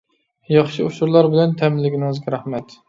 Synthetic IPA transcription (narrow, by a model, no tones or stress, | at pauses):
jɑχʃiuʃuɾlˠɑɾbɪlɛnt̪ʰɛmlːɪɡʲinɪŋɨzɡʲɛɾɑhmɛt̪